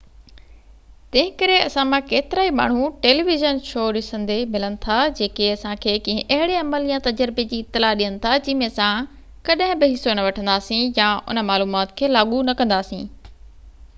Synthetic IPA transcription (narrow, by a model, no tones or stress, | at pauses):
t̪ɐ̃ɦɪ̃kɐɾeɐsãmãkeːt̪ɪɾaːima̰ːɳ̤uʈeːliːʋɪʒənʃʰoːɗɪsə̃nd̪emɪlənɪ̆t̪ʰad͡ʑeːkeɐsãkʰeːkɐ̃ɦɪ̃ʔɐɦɪɽeɐməljãt̪ɐd͡ʑəɾbed͡ʑiːɪt̪ːɪlaːɗiənɪ̆t̪ʰad͡ʑɪ̃ɦmẽɐsã | kɐɗɦɪ̃bɪɦɪsonɐʋɐʈʰə̃nd̪aːsĩjaʊ̰nəmaːluːmaːt̪kʰeːlaːɠunɐkɐ̃nd̪aːsḭ̃ː